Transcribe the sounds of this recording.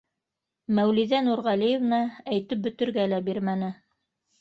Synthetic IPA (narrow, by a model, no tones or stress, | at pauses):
mæwliðænuɾʁɑlijevnɑæjt̪ɘp̚bɵ̆t̪ɵ̆ɾɡælæbiɾmænɘ